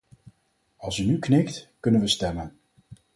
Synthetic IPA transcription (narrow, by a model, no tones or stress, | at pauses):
ɑlˠsynyknɪktkɵnənʋəstɛmən